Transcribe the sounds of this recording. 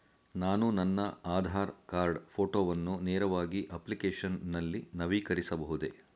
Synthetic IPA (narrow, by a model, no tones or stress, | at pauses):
naːnunɐnːɐaːd̪ʱaːɾkaːɾɖpʰoːʈoːʋɐnːuneːɾɐʋaːɡiʔɐplikeːʂɐnːɐlːinɐʋiːkɐɾisɐbɐɦud̪e̞